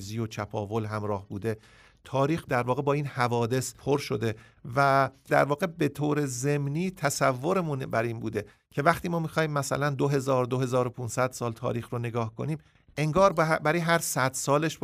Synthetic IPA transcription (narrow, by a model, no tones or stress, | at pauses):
ziːjot͡ʃʰæpʰɒ̰ːvo̞lɦæmɾɒːhbuːd̪e̞ | t̪ʰɒːɾiːxd̪æɾvɒːɣe̞bɒːiːnhævɒːd̪e̞spʰoɾʃo̞d̪e̞ | væd̪æɾvɒːɣe̞be̞t̪ʰoːɾe̞ze̞mniːt̪ʰæsævːo̞ɾemunbæɾiːnbuːd̪e̞ | cʰe̞væxt̪ʰiːmɒːmixɒːhiːmːæsæ̰lænd̪oɦe̞zɒːɾd̪o̞ɦe̞zɒːɾopʰuːnsæd̪̥sɒːlt̪ʰɒ̰ːɾiːxɾone̞ɡɒːhkʰo̞̰niːm | ʔe̞ŋɡɒːɾbæɾijɦæɾsæd̪̥sɒːle̞ʃ